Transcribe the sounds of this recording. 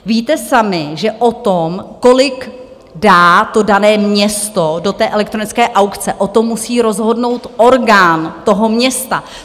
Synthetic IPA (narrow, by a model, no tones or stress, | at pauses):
viːt̪ɛsamɪʒɛʔot̪omko̞lɪk | daːt̪o̞danɛːmɲɛst̪odo̞t̪ɛːʔɛlɛk̚t̪ɾo̞nɪt͡skɛːʔawkt͡sɛʔot̪o̞mːusiːɾo̞zɦo̞dno̞wt̪ʔo̞ɾɡaːnt̪o̞ɦo̞mɲɛst̪a